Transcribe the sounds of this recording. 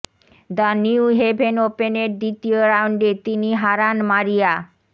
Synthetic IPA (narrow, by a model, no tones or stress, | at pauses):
d̪aniuɦebʱenopeneɾd̪it̪ioɾawɳɖet̪iniɦaɾanmaɾija